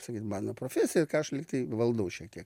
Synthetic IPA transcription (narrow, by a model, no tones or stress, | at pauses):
sɐkʲiːt̪mɑːnoːpɾoːfʲæːsʲɪjɛkɑːɐʃlʲɪkt̪ɐɪʋɐlˠd̪ɐʊʃʲiɛkt̪ʲiɛk